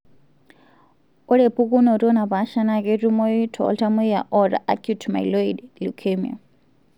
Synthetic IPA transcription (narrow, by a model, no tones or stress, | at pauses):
ɔɺɛpʰukunɔɾiɔnapaʃanakɛtumoitʰɔ̰ɔ̰ltʰamuijaʔɔɾa̰ʔa̰kʰjutʰma̰iloidlukʰemiɔ̰